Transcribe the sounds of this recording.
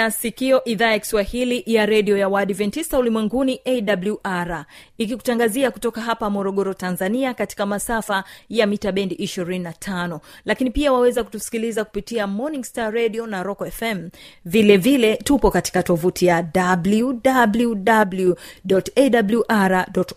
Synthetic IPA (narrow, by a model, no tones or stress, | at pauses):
asikiɔʔiðaːjaki̥swahilijaɾɛɗiɔjawaɗivɛntisaulimwɛŋɡuniʔɛɗabluʔaɾaikiku̥taŋɡaziakutɔkaɦapamɔɾɔɠɔɾɔtanzaniakati̥kamasafajamitaɓɛndiʔiʃiɾininatʰanɔlakinipiawawɛzaku̥tusi̥kilizaku̥pitiamɔnĩŋstaɾɛɗiɔnaɾɔkɔɛfɛmvilɛvilɛtupɔkati̥katɔvutʰijaɗabluɗabluɗabluɗɔtɛɗabljuʔaɾaɗɔt